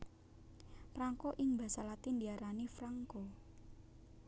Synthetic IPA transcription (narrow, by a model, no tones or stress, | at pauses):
fɾaŋkoʔɪŋbä̤salat̪ind̪iaɾanifɾaŋkɔ